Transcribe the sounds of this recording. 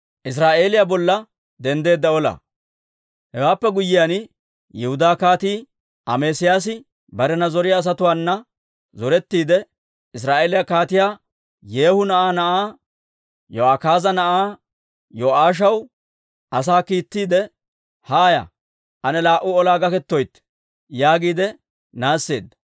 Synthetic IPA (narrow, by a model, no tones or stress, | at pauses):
ʔɪs̬ɾaːʔe̞ːlɪjabɔlːɐ | d̪ɛnd̪e̞ːd̪ːɐɔlɐ̰ | hɛwaːpːɛɡʊjːɪjan | jɛhʊd̪aːkaːt̪iː | ʔɐmeːsɪjaːs̬ɪ | bɐɾɛnɐzɔɾɪjaːs̬ɐt̪ʊwaːnːɐ | zɔɾɛt̪ːiːd̪ɛ | ɪs̬ɾaːʔe̞ːlɪjakaːt̪ɪjaː | jeːhʊnɐʔaːnɐʔaː | joakaːzɐnɐʔaː | joaːʃ̬ɐw | ʔɐsaːkiːt̪ːiːd̪ɛ | haːjɐ̰ | ʔɐnɛlaːʔʊɔlaːɡɐkɛt̪ːɔjt̪ː | jaːɡiːd̪ɛ | naːsːe̞̰ːd̪ːɐ̥